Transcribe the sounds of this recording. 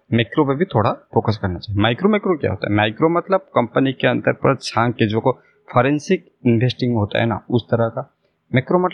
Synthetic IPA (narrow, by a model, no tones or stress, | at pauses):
mekɾopebʱit̪ʰoːɽafoːkəskɐɾnat͡ʃaːɦemaːɪkɾomekɾokja̰ɦo̰ːt̪a̰ɦɛmaːɪkɾomɐt̪ləb̚kɐmpənikeɐ̃nt̪əɾpɐɾt͡ʃʰãːŋked͡ʒoko | fʰɔːɾẽnsɪk̚ | ɪnʋʱesʈɪ̃ŋɡɦoːt̪a̰ɦɛ̰na̰ʊst̪ɐɾəka | mekɾomɐt̪